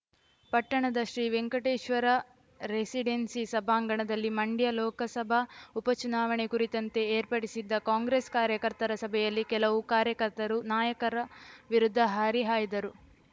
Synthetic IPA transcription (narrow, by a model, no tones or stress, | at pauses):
pɐʈːɐɳɐd̪ɐʃɾiːʋeŋkɐʈeːʂʋɐɾɐ | ɾesiɖensisɐbʱaːŋɡɐɳɐd̪ɐlːimɐɳɖjɐlɔːkɐsɐbʱɐupɐt͡ʃunaːʋɐɳekuɾit̪ɐnt̪e̞eːɾpɐɽisid̪ːɐkaːŋɡɾeskaːɾjɐkɐɾt̪ɐɾɐsɐbʱɛjɐlːikɛlɐʋukaːɾjɐkɐɾt̪ɐɾunaːjɐkɐɾɐʋiɾud̪ʱːɐɦaːɾiɦaːjid̪ɐɾu